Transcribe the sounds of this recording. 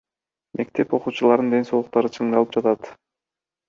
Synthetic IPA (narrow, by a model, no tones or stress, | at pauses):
mʔe̞k̚t̪e̞po̞quːt͡ʃulˠɑɾd̪ɯnd̪e̞nso̞lˠuq̚t̪ɑɾɯt͡ʃʰɯɴd̪ɑlˠɯp̚d͡ʒɑt̪ɑt̪